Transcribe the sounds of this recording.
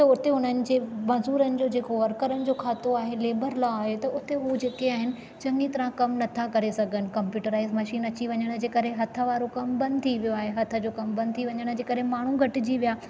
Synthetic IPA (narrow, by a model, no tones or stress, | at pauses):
t̪ɐʊt̪eɦʊn̤ənɪ̆d͡ʑeːmɐzuːɾənɪ̆d͡ʑoːd͡ʑeːkoʋɐɾkəɾənɪ̆d͡ʑoːkʰaːt̪oaːɦeleːbəɾlaaːɦet̪ɐʊt̪eɦud͡ʑeːkeaːɦɪnɪ̆ | t͡ɕɐnit̪ɐɾãkɐmnɐt̪ʰakɐɾesɐɡʱənɪ̆kɐ̃mpjuːʈəɾaːɪzmɐʃiːnɐt͡ɕiʋɐɲəɽ̃̆d͡ʑeːkɐɾeɦɐt̪ʰə̆ʋaːɾokɐmbɐ̃nd̪ɪt̪ʰiʋijoaːɦeɦɐt̪ʰə̆d͡ʑoːkɐmbɐ̃nd̪̚t̪ʰiʋɐɲəɽ̃d͡ʑeːkɐɾɦemaːɳ̤uɡʱɐʈɪd͡ʑiʋijaː